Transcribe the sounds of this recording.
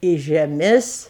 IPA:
iː ʒʲɛˈmʲɪs

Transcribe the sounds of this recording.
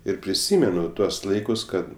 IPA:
ɪr pʲrʲɪˈsʲiːmʲɛnʊ ˈtuɔs ˈlˠɐɪkʊs ˈkɐt

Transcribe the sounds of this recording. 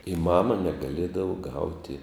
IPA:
ɪ ˈmɑːmɐ nʲɛɡɐˈlʲiɛdɐʋoː ˈɡɐʊtʲɪ

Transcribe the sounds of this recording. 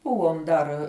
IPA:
ˈbʊʋoːm dɐr

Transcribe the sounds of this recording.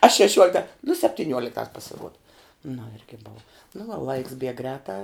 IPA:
ɐ ʃʲɛˈʃʲuɔlʲɪktɐ nʊ sʲɛpʲtʲɪˈnʲuɔlʲɪktɑːs pʲsʲɪˈruɔdɐ nʊ ˈɪrʲɡʲɪ boːw nʊ ʋɐ lˠɐɪks bʲiɛk ˈɡrʲɛːtɑː

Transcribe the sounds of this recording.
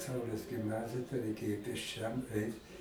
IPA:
ˈsɐʊlʲeːs ɡʲɪmˈnɑːzʲɪjɛ tɐɪ rɐɪˈkʲeːjoː pʲeːsʲˈt͡ʃʲɛm ˈɛɪt

